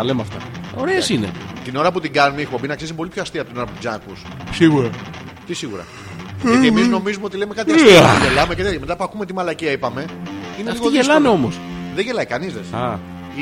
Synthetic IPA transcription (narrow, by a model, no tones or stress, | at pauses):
ɐlemɐft̪ɐ̰oɾeɐsinḛt̪ino̞ɾɐput̪iɡɐnumixobinɐksisipo̞lipçoɐst̪iɐpot̪ino̞ɾɐpot̪izɐkussiɣuɾɐ | t̪isiɣuɾɐ̰ | eiemizno̞mizumeot̪ileme̞kɐt̪iɐstiʝelɐmecet̪ɐɐme̞t̪ɐpuɐkume̞t̪imɐlɐciɐipɐme̞ineiɣoðʝeelɐmeo̞mosðeʝelɐikɐnizðesɐ